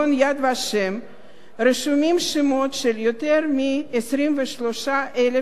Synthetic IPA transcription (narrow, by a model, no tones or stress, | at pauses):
onjad̪vaʃem | ɾeʃumimʃemot̪ʃeljot̪eɾmiesɾimveʃlo̞ʃaʔele